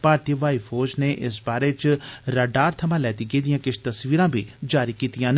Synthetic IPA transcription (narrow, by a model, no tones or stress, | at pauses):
paːɾt̪iʋaːifʰoːɾd͡ʒneʔɪsbaːɾet͡ʃɾaːɖaːɾt̪ʰɐmãlɛːt̪iɡeːd̪ijãːkɪt͡ʃʰt̪ɐsʋiːɾãːbʱiːd͡ʒaːɾikiːt̪ijãːn